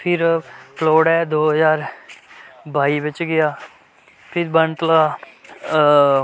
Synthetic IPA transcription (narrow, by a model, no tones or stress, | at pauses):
pʰɪɾploːɽɛːd̪oːɦəzaːɾ | baːiːbɪt͡ʃɡɪjaː | pʰɪɾbənt̪laː